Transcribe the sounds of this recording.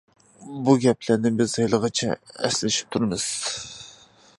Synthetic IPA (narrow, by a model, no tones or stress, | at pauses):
buɡʲɛpʰlæɾnɪbɪzɑjlˠəʁɑt͡ʃʰɛ̰ɛ̰slɪʃi̥p̚t̪ʰuɾmɨz̥